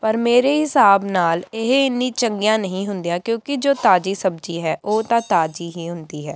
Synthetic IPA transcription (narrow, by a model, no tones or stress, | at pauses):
pəɾmeːɾeːɦɪsaːbnaːlɪɦɪnːĩːt͡ʃəŋɡijãːnəɦĩːɦʊnd̪ijãːkjõːkɪd͡ʒoːt̪aːd͡ʒiːsəb̚d͡ʒiːɦɛːʔoːt̪ãːt̪aːd͡ʒiːɦiːɦʊnd̪iːɦɛː